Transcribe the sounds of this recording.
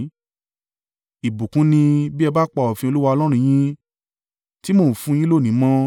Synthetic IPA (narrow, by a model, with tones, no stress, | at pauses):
i˨bu˨kũ˨˦nĩ˧bi˦ɛ˧ba˦k͡pa˧˨ɔ˨fĩ˧o˧lu˦wa˧ɔ˧lɔ˦ɾ̃ũ˧j̃ĩ˦ | ti˦mõ˦˨fũ˧j̃ĩ˦lo˦˨nĩ˨˦mɔ̃˦